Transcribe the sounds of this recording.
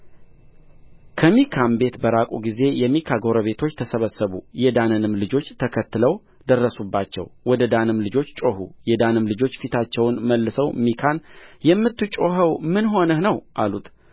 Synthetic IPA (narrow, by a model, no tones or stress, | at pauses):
kʰəmikʰambe̞t̪bəɾakʼuɡize̞jɛmikʰaɡo̞ɾəβe̞t̪ʰo̞t͡ʃːt̪ʰəsəβəsːəβujɛd̪anənɨmlɨd͡ʒo̞t͡ʃːt̪ʰəkʰət̪ːɨləw | d̪ərːəsubːat͡ʃːɛ̰wwɔd̪əd̪anɨmlɨd͡ʒo̞t͡ʃːt͡ʃʼo̞ɦṵjɛd̪anɨmlɨd͡ʒo̞t͡ʃːfit̪ʰat͡ʃːɛwnməlːɨsəwmikʰanjɛmːɨt̪ːɨt͡ʃʼo̞ɦəwmɨnɦo̞nəhnəwʔalut̪